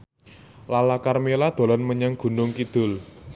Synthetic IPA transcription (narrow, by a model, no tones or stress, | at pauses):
lalakarmelad̪̥o̤lɔnməɲaŋɡ̥ṳnʊŋkid̪̥ʊ̤l